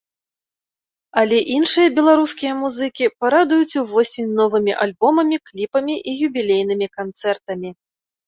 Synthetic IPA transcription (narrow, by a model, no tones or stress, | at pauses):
ɐlʲɛʔinʂɨjɐbʲɛlˠaɾuskʲijɐmuzɨkʲipaɾad̪ujut͡sʲuvɔsʲimʲnɔvɨmʲiʔalʲbɔmɐmʲiklʲipɐmʲiʔijubʲilʲejnɨmʲikant̪sɛrt̪ɐmʲi